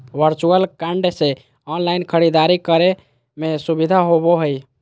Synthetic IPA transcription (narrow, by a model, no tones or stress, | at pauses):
ʋəɾt͡ʃuəlkaɳɖse | ɔnlainkʰəɽid̪aɾikəɾe | mesubid̪ʱaɦoboɦəj